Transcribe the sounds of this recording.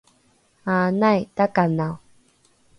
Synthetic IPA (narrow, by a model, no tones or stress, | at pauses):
aːnajtakanaw